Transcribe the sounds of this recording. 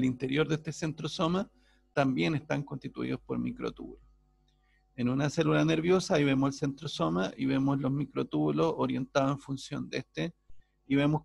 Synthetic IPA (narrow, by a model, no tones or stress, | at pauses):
lint̪e̞ɾjo̞ɾðeht̪esent̪ɾosoma | t̪ambje̞nest̪aŋkonst̪it̪ṵḭðospo̞̰ɾmḭkɾo̞̰t̪ṵβlos | enunase̞lulane̞ɾβjo̞saiβe̞moselsent̪ɾoso̞maʔiβe̞moslo̞zmikɾot̪uβlo̞soɾje̞nt̪aðoeɱfunsjo̞̰nd̪est̪e | iβe̞mos